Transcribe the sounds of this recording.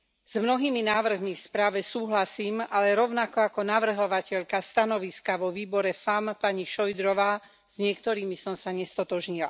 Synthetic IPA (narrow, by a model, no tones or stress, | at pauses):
z̥mnɔɦiːminaːʋr̩ɦmifspɾaːʋɛsuːɦlasiːmalɛɾɔʊnakɔakɔnaʋr̩ɦɔʋacɛʎkast̪anɔʋiskaʋɔʋiːbɔɾɛfampaɲiʃɔjd̪ɾɔʋaː | z̥ɲɪɛkt̪ɔɾiːmisɔmsaɲɛst̪ɔt̪ɔʒɲila̰